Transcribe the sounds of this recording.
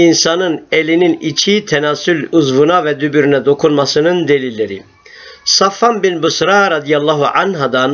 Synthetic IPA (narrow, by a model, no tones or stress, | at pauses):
insanɯnelʲininit͡ʃʰit̪ʰenasylʲuzvunavɛd̪ybyɾynɛd̪o̞kʰunmasɯnɯnd̪e̞lilʲːe̞ɾḭ | safːanbinbusɾaɾad̪ijalˠːɑːɦuʔanɦad̪aːn